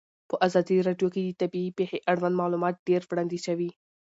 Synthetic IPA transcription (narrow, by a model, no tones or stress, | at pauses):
pəʔazɑd̪iɾɑɖjoked̪ət̪abiipeheʔaɽwand̪mɑlumɑt̪̚ɖ̥eɾwɽɑnd̪iʃawi